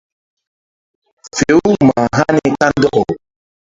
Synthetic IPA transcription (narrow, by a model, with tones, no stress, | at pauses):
fe˨˦u˦ma˨ɦa˦ne˦ka˦n˦dɔ˦ʔɔ˨